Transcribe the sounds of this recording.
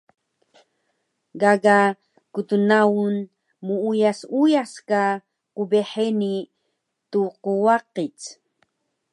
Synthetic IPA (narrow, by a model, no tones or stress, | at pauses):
ɡaɡa | kut̪unaun | muujasujaska | qubeħeni | t̪uquwaqit͡s